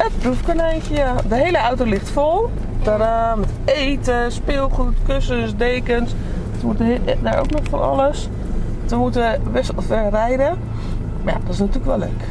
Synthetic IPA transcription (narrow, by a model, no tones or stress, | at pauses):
ət̚prufkənɛjnkəjadəɦejləawtolɪxtfolˠ | d̥ɔrəmɛtejtəspɪːlˠxutkøsənsdeːkəns | təmutdaɹo̰wknɔxfonɔ̰ləs | təmutəʋɪsfɛɹrɛjdə | mja̰d̥ɔtɪsnɔtyːləkʋɛlˠːø̰ɥk